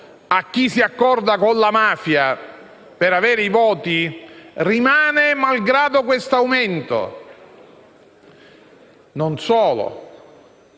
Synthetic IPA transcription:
akːisiakːɔrd̪akonlamaːfja | peɾaveːɾeivɔːt̪irimaːnemalɡɾaːd̪okwest̪awment̪o̰ | nonsɔːlo̰

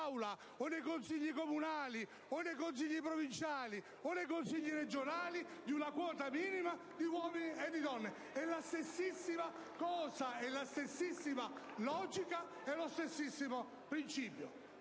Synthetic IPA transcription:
wla | onːejkonsiʎːikomunaːli | onːejkons̬iʎːipɾovint͡ʃaːli | onːejkonsiʎːiɾed͡ʒonaːlid̪iunakwɔːt̪amiːnima | d̪iwɔːminied̪ːid̪ɔnːe | ɛlast̪esːisːima | kɔːsaɛlːast̪esːisːima | lɔːd͡ʒika | ɛlost̪esːisːimo | pɾint͡ʃiːpjo

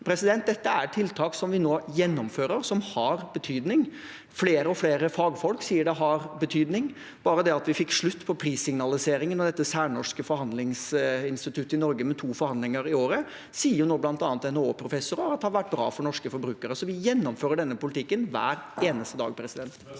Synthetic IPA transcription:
pʰɾɛsɪd̪ɛnt̪̚d̪ɛt̪ːəæɾʈʰɪlt̪ʰɑːksɔmʋɪnoːjɛnːɔmføːɾəɾsɔmhɑɾbət̪ʰyːd̪nɪŋ | fleːɾəɔfleːɾəfɑːɡfɔlksiːəɖɛɦɑɾbət̪ʰyːd̪nɪŋ | b̥ɑːɾəd̪ɛɑt̪ʋɪfɪkːʂɭʉt̪ːpʰɔpʰɾiːsɪŋnɑlɪseːɾɪŋənɑʋd̪ɛt̪ːəsæːɳɔʂkəfɔɾhɑnd̪lɪŋsɪnst̪ɪt̪ʰʉt̪ːɪnɔɾɡəmɛt̪ʰuːfɔɾhɑnd̪lɪŋəɾɪoːɾə | siːənoːblɑnt̪ɑːnət̪ɛnɛoːpʰɾʊfɛsʊɾəɑt̪hɑɾʋæʈ̚ːbɾɑ̰ːfɔɾɳɔʂkəfɔɾbɾʉːkəɾəsɔʋɪjɛnːɔmføːɾəɖɛnːəpʊlɪt̪ʰɪkːənʋæ̰ːɾeːnəst̪əd̪ɑ̰ːɡpʰɾɛsɪd̪ɛnt̪

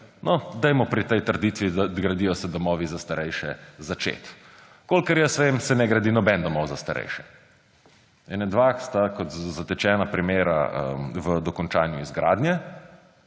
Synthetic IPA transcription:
nɔd̪ɛjmɔpɾit̪ɛjt̪əɾd̪it̪ʋid̪aɡɾad̪ijɔsɛd̪ɔmɔːʋizast̪aɾɛjʃɛ̰zat͡ʃḛːt̪ | kolkəɾjɛsʋemsɛnɛɡɾad̪inɔbɛnd̪ɔmɔwzast̪a̰ɾɛ̰jʃɛ̥ | ɛnɛd̪ʋaxst̪akɔt̪zat̪ɛt͡ʃɛːnapɾimeːɾa̰ə̰mʋəd̪ɔkɔnt͡ʃaːnjuizɡɾa̰ːd̪njɛ

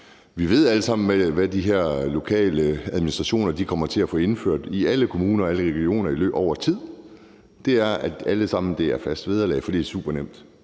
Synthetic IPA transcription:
ʋiʋe̝ð̞̰ˠæləsɑ̈m̰n̩ʋæʋæd̥iɦeɐ̰lo̝kʰɛ̰ːləæðˠminisd̥ʁɑ̈ɕo̝̰ːnɐd̥ikʰɒ̽m̰ɐt͡sʰe̝æfɔ̽ːe̝nfø̰ɐ̰d̥iæləkʰo̝muːnɐɒ̽æləʁɛɡ̥io̝̰ːnɐilø̰ːb̥ɒʊ̰ɐt͡sʰið̰ˠ | d̥e̝æɐæd̥æləsɑ̈m̰n̩d̥e̝æɐfæsd̥ʋeð̞ˠɐlɛ̰ːɪfɒ̽d̥e̥sṵːb̥ɐnem̰d̥

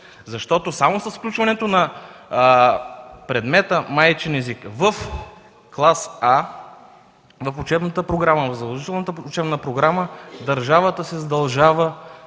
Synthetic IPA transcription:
zɐʃt̪ɔt̪osamosɐsfklʲut͡ʃvɐnɛt̪onɐ | pɾɛd̪mɛt̪əmajt͡ʃɛnɛzikvəf | klˠasa | vɐfot͡ʃɛbnət̪əpɾoɡɾaməvɐfzɐlˠoʒit̪ɛlˠnət̪əʊt͡ʃɛbnəpɾoɡɾaməd̪ɐɾʒavət̪əsɛzɐd̪ɐlˠʒavə

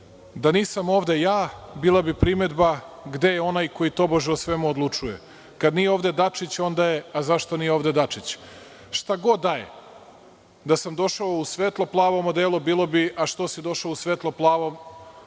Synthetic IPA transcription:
d̪aniːsamo̞ːʋd̪e̞jaːbiːlˠabipɾime̞d̪baɡd̪e̞jeo̞najko̞jit̪o̞boʒeosʋemuod̪lˠut͡ʂuje | kad̪nijeo̞ːʋd̪e̞d̪at͡ʃit͡ɕo̞nd̪ajeazaʃt̪o̞nijeoːvd̪e̞d̪at͡ʂit͡ɕ | ʃt̪aɡo̞d̪ːajḛ | d̪asamd̪o̞ʃaousʋeːt̪lˠoplˠaːʋomod̪eːlˠobiːlˠo̞biʔaʃt̪o̞sid̪o̞ʃaousʋeːt̪lˠoplˠaːʋom

